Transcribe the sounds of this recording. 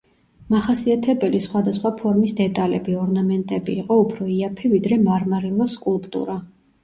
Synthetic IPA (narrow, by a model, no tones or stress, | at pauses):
maχasiat̪ʰɛbɛlisχwad̪asχwapʰɔɾmisd̪ɛt̪ʼalɛbiɔɾnamɛnt̪ʼɛbiːqʼɔupʰɾɔiapʰivid̪ɾɛmaɾmaɾilˠɔskʼulˠpʼt̪ʼṵɾa